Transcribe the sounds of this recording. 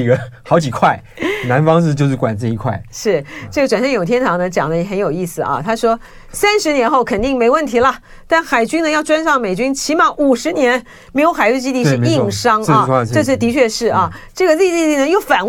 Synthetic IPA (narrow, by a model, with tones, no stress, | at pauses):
ɥɛ˧˦nxɑ˧˥ʊt͡ɕi˨˩kʰwa˥˩ɪ | na˧˥nfɑ˥ŋʂɻ̩˥˧t͡ɕjo˥˧ʊʂɻ̩˥˩kwa˨˩nt͡s̩˥˩i˧˥kʰwa̰˥˩ɪʂɻ̩˥˩ʈ͡ʂɤ˥˩ɡə˩ʈ͡ʂwa˨˩nʂə˥˧jo˨˩ʊt̪ʰjɛ˥nt̪ʰɑ˧˥ŋnə˧t͡ɕjɑ̰˨˩ŋd̪ə˦jɛ˥˩xə˧˥njo˨˩ʊi˥˩sɹ̩˨˩ʔɐ̰˩t̪ʰa˥ʂwɔ˥ | sa˥nʂɻ̩˧˥njɛ˧˥nxo˥˩ʊkʰə˨˩nt̪i˥˩ŋme˧˥ɪwə˥˩nt̪ʰi˧˥lə˨ | t̪a˥˩nxa˨˩ɪt͡ɕy˥nə˧˦jɑ˥˧ʊʈ͡ʂwa˥nʂɑ˥˩ŋme˨˩ɪt͡ɕy˥nt͡ɕʰi˧˥mɑ˧˥ŋʔu˨˩ʂɻ̩˧˥njɛ˧˥n | me˧˥ɪjo˧˥xa˨˩ɪly˥˩t͡ɕi˥t̪i˥˧˥i˥˩˧ŋʂɑ˥ŋ˥˧ʈ͡ʂɤ˥˧ʂɻ̩˥˩t̪i˧˥t͡ɕʰɥɛ˥˧ʂɻ̩˥˩ɐ˥˩ʈ͡ʂɤ˥˩ɡə˩li˥˧li˥˧t̪i˥˩nə˩jo˥˩ʊfa˨˩n